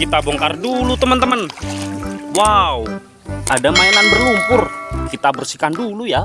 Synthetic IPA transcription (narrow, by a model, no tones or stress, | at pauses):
kit̪abɔŋkardulut̪əmənt̪əmən | wau | ʔadamaɛnanbərlumpʊrkit̪abərsikanduluja